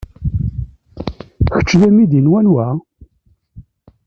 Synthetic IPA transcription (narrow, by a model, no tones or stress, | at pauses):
çə̥t͡ʃːðæmid̪inwænwæ